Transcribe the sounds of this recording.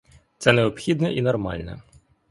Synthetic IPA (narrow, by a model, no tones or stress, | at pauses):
t̪sɛneɔpxʲid̪nɛʔinɔrmɑ̰lʲnɛ̰